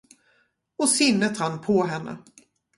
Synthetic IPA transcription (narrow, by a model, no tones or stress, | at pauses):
ɔsɪnːət̪hanpʰɔɦɛnːə̰